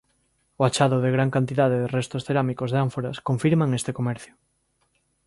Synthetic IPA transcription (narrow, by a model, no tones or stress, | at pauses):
oat͡ʃaðoðeɣɾaŋkant̪iðað̞eðerest̪osθeɾamikozðeaɱfoɾaskoɱfiɾmaŋest̪ekomɛɾθjo